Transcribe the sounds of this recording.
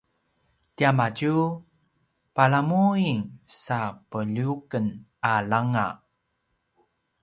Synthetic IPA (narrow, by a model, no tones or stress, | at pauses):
tiamaɟu | palamuiŋsapəʎukən | alaŋa̰